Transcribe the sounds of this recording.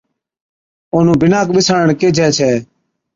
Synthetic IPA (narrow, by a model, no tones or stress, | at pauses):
oːnũːbɪnaːkɓɪsaːəɳkeːd͡ʒʱɛːt͡ʃʰɛː